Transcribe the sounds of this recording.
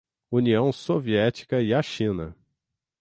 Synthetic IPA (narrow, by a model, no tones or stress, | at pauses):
uniɐ̃w̃soviɛt͡ʃi̥kɐɪaʃĩnɐ̰